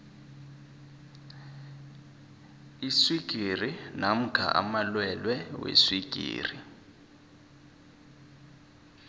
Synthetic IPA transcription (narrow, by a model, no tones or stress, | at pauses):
iswiɡ̥ʱirinam̩kʰa̰ʔa̰malwɛlwɛwḛswiɡ̥ʱḭːri